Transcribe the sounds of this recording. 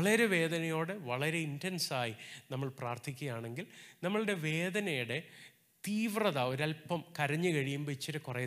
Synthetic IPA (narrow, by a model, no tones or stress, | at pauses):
ɐɭɐɾe̞ʋe̞ːd̪ɐnɐjo̞ːɽɨʋɐɭɐɾe̞indensaːjinɐmːɐɭpraːrt̪ʰikʲːuɐjaːɳe̞ŋɡilnɐmːɐɭɨɽe̞ʋe̞ːd̪ɐnɐjuɽe̞ | t̪iːʋrɐðao̞ɾɐlpɐmkɐɾɐɲːɨkɐɻijumbɐt͡ɕːɐɾɨkure